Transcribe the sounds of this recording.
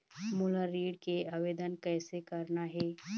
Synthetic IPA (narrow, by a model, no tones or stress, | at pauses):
muːlaɾiːɽkeaːʋeːd̪ənkɛːsekɐɾnaɦɛː